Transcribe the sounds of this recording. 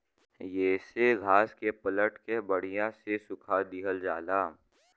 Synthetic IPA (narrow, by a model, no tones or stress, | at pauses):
jeːseɡʱaːskepələʈkebəɽ̤ijãsesʊkʰad̪ɪɦəld͡ʒaːlaː